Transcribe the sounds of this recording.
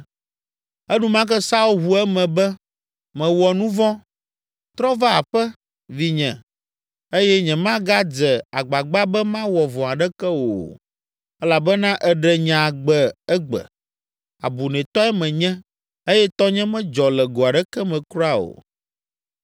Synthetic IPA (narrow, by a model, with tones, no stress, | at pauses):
ɛ˦nũ˦mã˦k̬ɛ˦sa˦u˦ɦu˨ɛ˦mɛ̃˨bɛ˦ | mɛ̃˨wɔ˨nũ˦vɔ̃˦ | t̪ɾɔ˦va˦a˨ɸɛ˦ | vi˨ɲɛ̃˨ | e˦jɛ˦ɲɛ̃˨mã˦ɡa˦d͡zɛ˨a˨ɡ͡ba˨ɡ͡ba˦bɛ˦mã˦wɔ˨vɔ̃˨a˨ɖɛ˦kɛ˦wo̰˨ | ɛ˦la˨bɛ˦nã˦ʔɛ˦ɖɛ˦ɲã˨ɡ͡bɛ˦˨ɛ˦ɡ͡bɛ̰˨ | a̰˨bu˨nɛ̃˨t̪ɔ˦ɛ˦mɛ̃˨ɲɛ̃˦ | e˦jɛ˦t̪ɔ˦ɲɛ̃˦mɛ̃˦d͡ʒɔ˨lɛ˨ɡo˨a˨ɖɛ˦kɛ˦mɛ̃˨kɾo˦a˦o̰˨